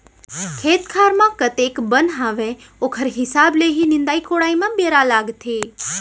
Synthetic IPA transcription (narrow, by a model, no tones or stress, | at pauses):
kʰeːt̪kʰaːɾmãkət̪ekbənɦaʋe | okʰəɾɦɪsableɦinɪ̃nd̪aikoɽaimãbeɾalaːɡt̪ʰeː